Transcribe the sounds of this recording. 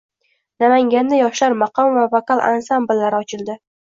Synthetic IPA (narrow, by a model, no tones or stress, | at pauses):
namaŋɡʲand̪ajɒʃlaɾmɑqʰɒmvavakalˠʔa̰nsambɪlːaɾɪɒt͡ʃʰɪlˠd̪ɪ